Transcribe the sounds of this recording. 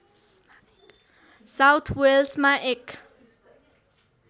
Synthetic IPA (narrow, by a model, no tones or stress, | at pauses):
sawt̪ʰwelsmaʔɛk